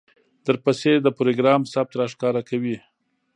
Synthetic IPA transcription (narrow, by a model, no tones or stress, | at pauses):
d̪əɾpased̪əpɾoɡɾɑmsab̚t̪ɾaʂkɑɾakawi